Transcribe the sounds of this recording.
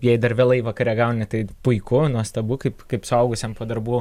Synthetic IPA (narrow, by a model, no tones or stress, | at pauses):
jɛɪd̪ɐrʋʲeːlˠɐɪʋɐkɐɾʲɛːɡɐʊnʲɪt̪ɐɪpʊɪkʊnuɔst̪ɐbuːkɐɪpkɐɪpsʊɐʊɡʊsʲɛmpoːd̪ɐrbuː